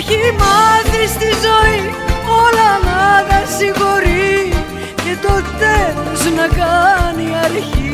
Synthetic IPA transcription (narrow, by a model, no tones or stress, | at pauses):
çimɐθist̪izoi | olɐnɐðɐsiɣoɾi | cet̪ot̪eloznɐkɐniɐɾçi